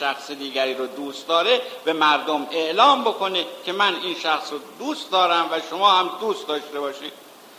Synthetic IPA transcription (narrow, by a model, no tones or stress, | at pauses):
æxsed̪iːɡæɾiːɾod̪uːst̪d̪ɒːɾe̞b̥e̞mæɾd̪ome̞ʔlɒːmbo̞kʰo̞ne̞cʰe̞mæniːnʃæxsɾod̪uːst̪d̪ɒːɾæmvæʃomɒːhæmd̪uːst̪̚d̪ɒːʃt̪e̞bɒːʃiːd̪̥̚